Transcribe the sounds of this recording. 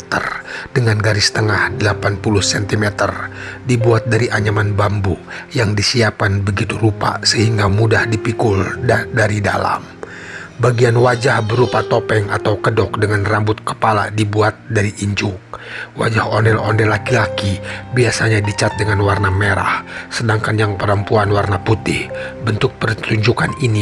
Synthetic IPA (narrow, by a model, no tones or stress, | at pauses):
t̪ə̰rd̥əŋanɡaɾɪst̪əŋahdəlapanpuluhsɛnt̪imɛt̪ərdibuat̪̚daɾiʔaɲamanbambujaŋdisiap̚kanbəɡit̪uɾupa̰səhiŋɡamudahdipikʊldadaɾida̰la̰m | baɡianwad͡ʒahbəɾupat̪opɛŋat̪awkədɔk̚dəŋanrambʊt̪̚kə̥pala̰dibuat̪̚daɾiʔiɲd͡ʒʊk̚wa̰d͡ʒahɔnɛlɔ̰ndɛlːakilakibiasaɲadit͡ʃat̪̚dəŋanwarnameɾa̰hsədaŋkanjaŋpəɾəmpuanwarnaput̪ɪhbənt̪ʊk̚pərt̪uɲd͡ʒukanini